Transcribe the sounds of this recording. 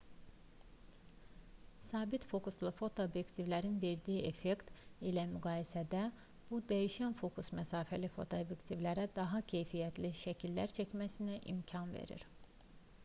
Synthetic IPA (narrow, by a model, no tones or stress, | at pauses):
sɑːbit̪fo̞kuslˠɯfo̞t̪ʰoobjekt̪ʰivlæɾinve̞ɾd̪ijiʔefekt̪ilæmyɡɑːjisæd̪æ | b̥ud̪æjiʃænfo̞kʰusmæsɑːfælifo̞̰t̪ʰoobjekt̪ʰivlæɾæd̪ɑɦɑcʰe̞jfijæt̪ʰliʃæcʰilːæ̰ɾt͡ʃʰæcmæsinæʔḭmcʰɑnvḛɾḭɾ̥